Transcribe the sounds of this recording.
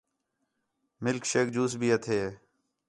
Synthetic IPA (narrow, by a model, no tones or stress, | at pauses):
mɪlkʃeːk̚d͡ʒuːsbʱiːət̪ʰeː